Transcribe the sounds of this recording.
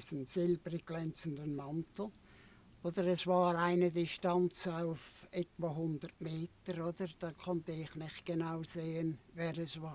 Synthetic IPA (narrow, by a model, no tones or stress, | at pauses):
sənsɪlbəɾɪɡ̚ɡ̥lɛnt͡sən̩dənmantl̩ | od̥əɾɛsvaːɾaɪnədɪʃtant͡saʊfɛtvaɦʊndərtmeːtəɾod̥əɾd̥ɑːkʰɔntəɪχnɪχt̚ɡ̥enaʊzeːənvɛːɾɛsvaː